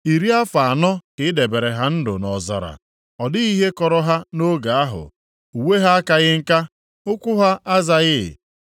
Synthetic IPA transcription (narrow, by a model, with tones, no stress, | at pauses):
i˨ɾi˦a˦fa˨a˨nɔ˦kɪ˨˦de˨be˨ɾe˨ɦa˦n̩˦dʊ˨nɔ˨za̰˨ɾa̰˨ | ɔ˨dɪ˦i˦ɦe˦kɔ˨ɾɔ˦ɦa˦no˦ɡa˨a˦ɦʊ̰˨ | u˨we˦ɦa˦a˦ka˦ɣɪ˦ŋ̩˦ka˦ | ʊ˦kʷʊ˦ɦa˦ʔa˦za˦ɣɪ̰˦˨